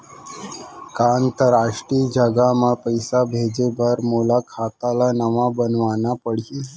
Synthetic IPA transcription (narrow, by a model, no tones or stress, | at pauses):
kaənt̪əɾaʂʈiːd͡ʒʱəɡamapəjsabʱed͡ʑebəɾmolakʰat̪alanəʋabənʋanapəɽ̤i